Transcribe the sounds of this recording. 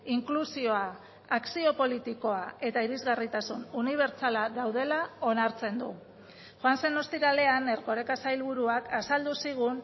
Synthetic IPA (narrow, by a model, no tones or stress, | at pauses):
iŋklusio̞aː | ksio̞po̞lit̪iko̞ae̞t̪aiɾizɣarit̪asununiβ̞e̞ɾt͡salaðawð̞e̞lao̞naɾt͡se̞nd̪u | xwansenost̪iɾale̞ane̞ɾɣo̞ɾe̞kasajlβuɾuakʰasald̪usiɣ̞un